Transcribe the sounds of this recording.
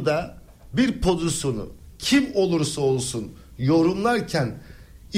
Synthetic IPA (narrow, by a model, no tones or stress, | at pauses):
d̪a | biɾpʰo̞zusonṵcʰimo̞lˠuɾsao̞lˠsunjo̞ɾunlˠaɾcʰæn